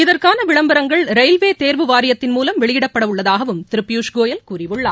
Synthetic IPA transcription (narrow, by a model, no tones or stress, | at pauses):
ɪðɐrkaːnɐʋɪɭɐmbɐɾɐŋɡɐɭɾɐɪlʋeːt̪eːɾʋɯʋaːɾɪjɐt̪ːɪnmuːlɐmʋɛɭɪjɪɽɐpːɐɽɐʋɯɭːɐðaːɣɐʋɯmt̪ɪɾɯpːɪjuːʂɡoːjɐlkuːrɪʋɯɭːa̰ː